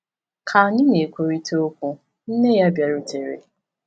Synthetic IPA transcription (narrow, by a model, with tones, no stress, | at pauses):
kʰa˨ɲɪ˦ne˨kʷo˨ɾi˦to˦kʷu˦ | n̩˦ne˦ja˦bja˨ɾʊ˦te˨ɾḛ˨